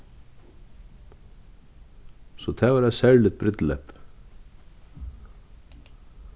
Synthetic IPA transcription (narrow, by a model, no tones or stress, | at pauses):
sɔt̪ʰɛvaɾɛsɛɹlɪt̪̚bɾɪt̪lɛp